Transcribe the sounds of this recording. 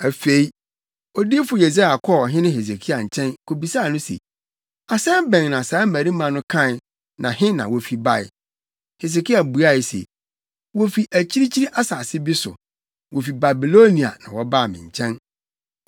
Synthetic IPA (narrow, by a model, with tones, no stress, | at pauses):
æ˨fe˨i˦ | ɔ˨di˦fʊ˨je˨s̬a˦˨a˨kʰɔ˦˨ɦɪ̃˦nʊ̃˦ɦe˨s̬e˨kʰi˦a˨ɲ̩˨t͡ɕʰɛ̃˦nkʰo˨bi˨saː˦˨nʊ̃˦sḛ˨ | a˨sɛ̃˦bɛ̃˨ŋnã˨saː˨˦mæ˨ɾi˦mã˨nʊ̃˦kʰã˦˨ | nã̰˨ɦɪ̃˦nã̰˨wɔ˨fi˨ba˦˨ɪ̰˨ | he˨s̬e˨kʰi˦a˨bu˨a˦˨ɪ˨sḛ˨ | wo˦fi˨ʔæ˨t͡ɕʰi˦ɾi˦t͡ɕʰi˦ɾi˦ʔa˦saː˨sɪ˦bi˦sʊ̰˨ | wo˨fi˨ba˨bi˨lo˦nĩ˨a̰˨nã̰˨wɔ˦ba˦˨mɪ̰̃˨ɲ̩˨t͡ɕʰɛ̃˦n